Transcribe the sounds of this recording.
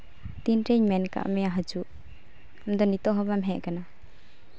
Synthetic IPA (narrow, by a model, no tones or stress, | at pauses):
t̪inɾɛɲmɛnka̰ʔmɛjaɦad͡ʒuʔ | amd̪ɔnit̪ɔɦɔbamɦɛʔkana